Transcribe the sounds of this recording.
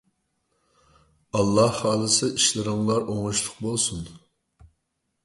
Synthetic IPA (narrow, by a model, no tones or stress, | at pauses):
ɑlˠːɑhːɑːlˠɨsɨʔiʃlɪɾɪŋlˠɑɾoŋuʃlˠʊq̚bolˠsun